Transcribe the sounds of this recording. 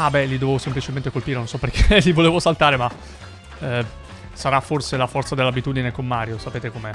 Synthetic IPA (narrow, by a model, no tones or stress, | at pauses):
abɛlid̪ovevosemplit͡ʃement̪ekolpiːɾenõnsɔpːerkʰelivoleːvosalt̪aːɾema | saɾafːorselafɔrt̪sad̪elːabit̪uːd̪inekomːaːɾjosapeːt̪ekomeɛ